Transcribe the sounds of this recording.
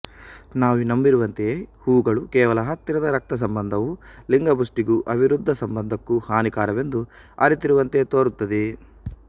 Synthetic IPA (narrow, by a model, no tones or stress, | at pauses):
naːʋunɐmbiɾuʋɐnt̪eeːhuːɡɐɭukɛːʋɐlɐɦɐt̪ːɾɐd̪ɐɾɐk̚t̪ɐs̬ɐmbɐnd̪ʱɐʋuliŋɡɐbusʈiɡuʔɐbʱiɾud̪ʱːɐsɐmbɐnd̪ʱɐkːuhaːnikaːɾɐʋe̞nd̪uɐ̰ɾit̪iɾuʋɐnt̪e̞t̪oːɾut̪ːɐd̪e